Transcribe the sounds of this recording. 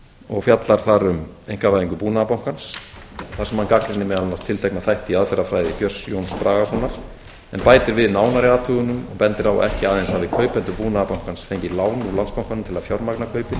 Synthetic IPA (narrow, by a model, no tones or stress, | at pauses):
ɔɣfjat̪laɾ̥θaɾʏmejŋ̥kavajiŋkʏpuːnaapawŋ̥kansθḁsɛmhankaklɪnɪmɛðalnast̪ʰɪlt̪ʰɛjknaθajht̪ɪiaðfɛɾːafɾaːjðɪcjœsjownspɾaːɣasɔnaɾ̥ | ɛnpaːjt̪ɪɾvɪðnaːwnaɾiat̪ʰuːɣʏnʏmɔɣpɛnt̪ɪɾawɔ̰ɛhcɪaːðenshavɪkʰœɥpɛnt̪ʏpuːnaðapawŋ̥kansfejɲcɪlaːwnulanspawŋkanʏmt̪ʰɪlaðfjɔɾmaknakʰœɥpɪ